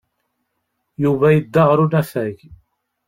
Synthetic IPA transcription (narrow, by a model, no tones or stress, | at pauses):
juvæjəd̪ːaʁɾunæfæʝ